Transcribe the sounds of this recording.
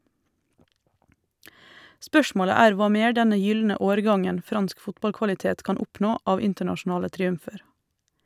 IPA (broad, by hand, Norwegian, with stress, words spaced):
ˈspœʃmoːlə ˈæːɾ ˈʋɑː ˈmeːɾ ˈdɛnə ˈjʏlnə ˈoːɾˌɡɑŋən ˈfɾɑnsk ˈfʊtbɑlkʋɑlɪˌteːt ˈkɑːn ˈʊpnoː ˈɑːʋ ˈɪntəɳɑʃʊˌnɑːlə tɾiːʉmˈfeːɾ